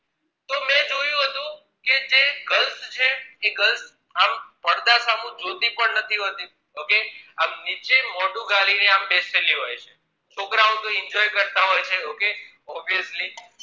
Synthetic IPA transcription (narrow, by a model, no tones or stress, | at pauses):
t̪omɛ̃d͡ʒojũɦət̪ũ | ked͡ʒeɡəlst͡ʃʰeːɡəls | ampəɽd̪asamũd͡ʒot̪ipəɳnət̪ʰiɦot̪i | okeamnit͡ʃemɔɖũɡalineambeseliɦojt͡ʃʰe | t͡ʃʰokɾaũt̪õɪnd͡ʒɔjkəɾt̪aɦojt͡ʃʰeoke | ɔbiəsli